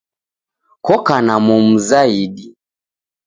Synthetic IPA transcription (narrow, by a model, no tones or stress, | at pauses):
kɔkanamɔmuzaiɗi